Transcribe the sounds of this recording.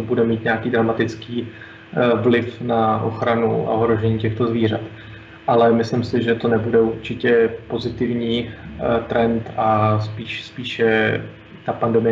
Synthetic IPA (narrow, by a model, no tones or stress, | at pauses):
budɛmiːt̪ɲaakiːd̪ɾamat̪ɪt͡skiː | vlɪfnaʔo̰xɾanṵa̰oɦɾo̞ʒɛɲiːcɛxt̪o̞zviːr̝at̪ | ʔalɛmɪslɪmsɪʒɛt̪o̞nɛbudɛuɾt͡ʃɪcɛpo̞zɪt̪ɪvɲiːt̪ɾɛnt̪aspiːʃspiːʃɛ | t̪apandɛmɪjɛ